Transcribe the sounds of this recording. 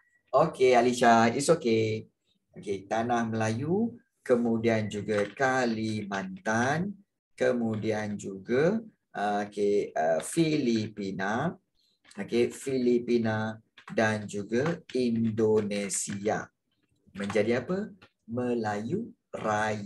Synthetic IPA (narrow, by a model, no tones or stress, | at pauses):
okealiʃaisoke | oket̪anahməlaju | kəmudiand͡ʒuɡakalimant̪an | kəmudiand͡ʒuɡa | keəfilipina | okefilipinadand͡ʒuɡaindonesia̰ | mə̃ɲd͡ʒadiapə | məlaju | raj